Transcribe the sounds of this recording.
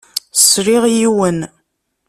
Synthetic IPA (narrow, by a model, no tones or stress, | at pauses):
sɾiʁjiwən